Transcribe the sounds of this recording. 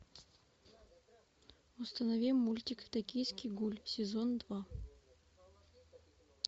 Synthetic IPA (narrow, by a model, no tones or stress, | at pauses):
ʊst̪ənɐvʲimːulʲt̪ʲɪkt̪ɐkʲijskʲijɡulʲsʲɪzond̪va